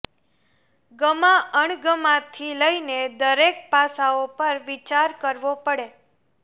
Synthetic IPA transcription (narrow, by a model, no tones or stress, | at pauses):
ɡəmãʔəɳɡəmãt̪ʰiləined̪əɾek̚pasaopəɾʋit͡ʃaɾkəɾʋopəɽe